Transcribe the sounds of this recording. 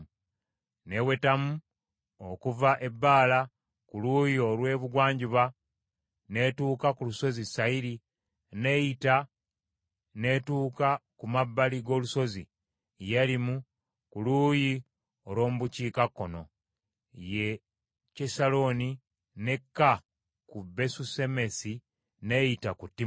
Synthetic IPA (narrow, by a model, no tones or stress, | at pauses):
ne̞we̞tamu | okuvaʔe̞bːaːla | kuluːjio̞lwe̞ːβuɡwaːɲɟiβa | ne̞tuːkakuluso̞zisaiɾi | nejita | ne̞tuːkakumabːaliɡo̞ːluso̞zi | jelimu | kuluːji | olo̞ːmuβuciːkakːo̞no̞̰ | je̞ | cesalo̞ni | ne̞kːa | kube̞suse̞me̞si | ne̞jitakutːi